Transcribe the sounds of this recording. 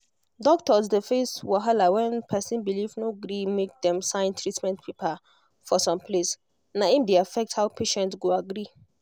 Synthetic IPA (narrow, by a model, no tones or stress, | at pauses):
dɔktɔzdefeswaɦalawɛ̃npʰɛsĩnbilivnoɡɾimek̚dɛ̃msãɪ̃ntʰɹitmɛ̃ntpʰepa | fɔsɔ̃mpʰles | naimdeafɛk̚thaʊpʰeʃɛ̃ntsɡoaɡɾi